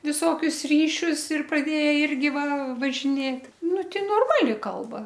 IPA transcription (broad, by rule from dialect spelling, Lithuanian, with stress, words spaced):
ʋʲɪˈsoːkʲʊs ˈrʲiːʃʲʊs ɪr prɐˈdʲeːjɛ ˈɪrʲɡʲɪ ˈʋɐ ʋɐʒʲɪˈnʲeːt ˈnʊ ˈtʲɪ noːrˈmɑːlʲɪ ˈkɐlˠbɐ